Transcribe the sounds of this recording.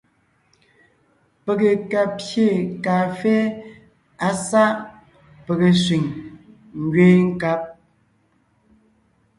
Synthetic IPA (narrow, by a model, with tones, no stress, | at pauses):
pe˨ɣe˨ka˨je˦˨ka˨fe˦ | a˦sa˦ʔ | pe˨ɣe˨sɥi˨ŋ | ŋ̩˨ɡɥeː˦ŋ̩˦ka˦p̚